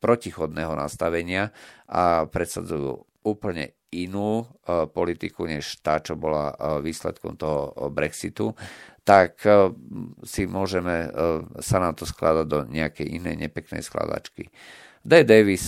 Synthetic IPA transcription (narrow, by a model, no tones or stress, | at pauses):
pɾɔcixɔd̪nɛɦɔna̰st̪aʋɛɲɪaʔapɾɛt̪sad͡zujṵː | uːpl̩ɲɛ̰ | inuːpɔlit̪ikuɲɛʃt̪aːt͡ʃɔbɔla̰ʋiːslɛ̰t̪kɔ̰mt̪ɔɦɔbɾɛksit̪ut̪ak | simʊɔʒɛmɛsanat̪ɔsklad̪aɟd̪ɔɲɛakɛjʔinɛ̰jɲɛpɛknɛ̰jskla̰d̪a̰t͡ʃkḭ | d̪ɛd̪ɛʋis